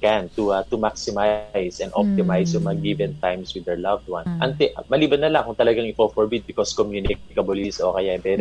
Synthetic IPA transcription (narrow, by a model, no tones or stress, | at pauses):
kɛnt̪uat̪ʊmaksɪmajsɛ̃nd̪ʔo̰p̚t̪ɪmajsjʊŋmɐɡivɛ̃nt̪ãjmswɪd̪ɛɹlavd̪̚wãnʔɐŋt̪ɛʔmɐliːbɐnːɐlaŋkʊŋt̪ɐlɐɡaŋɪkofoɹbid̪̚bɪkoskomjunɪk̚ɪkɐbolisʔokɐjabɛɾ